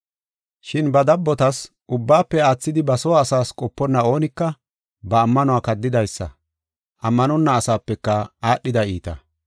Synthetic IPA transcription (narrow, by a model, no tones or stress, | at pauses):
ʃɪnbɐd̪ɐbːɔt̪ɐs | ʔʊbːaːpːɛaːt͡sːɪd̪ɪbɐsɔwaːsaːskʼɔpːɔnːɐo̞ːnɪkːɐ | bɐːmːɐnɔaːkɐd̪ːɪd̪ɐjsːɐ̰ | ʔɐmːɐnɔnːɐːsaːpːɛkːɐaːɗːɪd̪ɐiːt̪ɐ